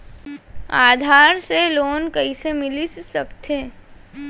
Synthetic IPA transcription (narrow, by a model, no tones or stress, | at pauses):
a̰ːd̪ʱaːɾseloːnkɐisemɪlissɐkt̪ʰeː